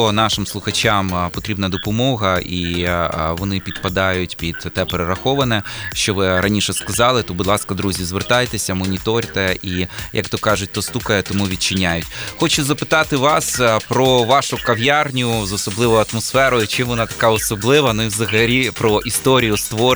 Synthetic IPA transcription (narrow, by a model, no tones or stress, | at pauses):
ɔn̪ɑʃɪmslˠʊxɐt͡ʃɑmpɔt̪ɾʲibnɐd̪ɔpɔmɔɦɐʔi | ʋɔnɪpʲid̪pɐd̪ɑjʊtʲpʲid̪̥t̪ɛpeɾeɾɐxɔʋɐnɛʃt͡ʃɔʋɪɾɐnʲiʃɛskɐzɑlˠɪt̪ɔbud̪lˠɑskɐd̪ɾuzʲizʋert̪ɑjt̪esʲɐmɔnʲit̪ɔɾʲt̪ɛʔijɐ̰kt̪ɔkɑʒʊtʲt̪ɔst̪ukɐjɛt̪ɔmuʋʲit̪̚t͡ʃɪnʲːajʊtʲxɔt͡ʃʊzɐpɪ̥t̪ɑt̪ɪʋɑspɾɔʋɑʃʊkɐʋjarnʲʊzɔsɔblˠɪʋɔjʊɐt̪mɔsfɛɾɔjʊt͡ʃɪmʋɔnɑt̪ɐ̥kɑɔsɔblˠɪʋɐnuiwzɐɦɐlʲipɾɔʔist̪ɔɾʲijʊst̪ʋɔ